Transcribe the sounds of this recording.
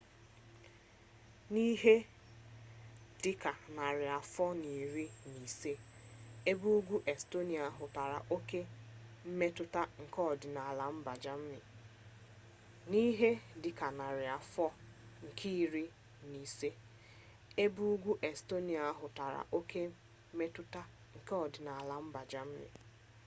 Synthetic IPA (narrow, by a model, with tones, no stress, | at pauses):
ni˦ɦe˦ | d̥ɪ˦ka˨na˨ɾɪ˨a˨fɔ˦ni˨ɾi˦ni˨se˦e˦bu˦u˦ɡʷu˦ʔe˨sto˦ni˨a˨a˦ɦʊ˨ta˨ɾa̰˨ʔo˦ke˦m̩˦me˦tʊ˦ta˦ŋ̩˨kɔ˦˨dɪ˨na˨a˨la˨m̩˦ba˨d͡ʒa˦m̩˦mɪ˨ | ni˦ɦe˦dɪ˨ka˨na˨ɾɪ˨a˨fɔ˦ | ŋ̩˨kʰi˦ɾi˦ | ni˨se˦ | e˦bu˦u˦ɡʷu˦ʔe˨sto˦ni˨a˨a˦ɦʊ˨ta˨ɾa̰˨ʔo˦kʰe˦ | me˦tʊ˦ta˦ | ŋ̩˨kɔ˨dɪ˨na˨a˨la˨m̩˦ba˨d͡ʒa˦m̩˦mɪ̰˨